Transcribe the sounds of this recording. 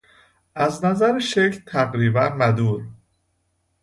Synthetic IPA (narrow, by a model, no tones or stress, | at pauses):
ʔæznæzæɾeʃecʰlt̪ʰæɣɾiːbænmæd̪uːɾ